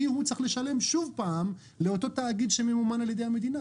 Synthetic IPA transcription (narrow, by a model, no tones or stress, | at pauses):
ihut͡saχle̞ʃale̞mʃuvpaːm | le̞o̞t̪o̞t̪aːɡid̪ʃememumanaljede̞jhame̞d̪ina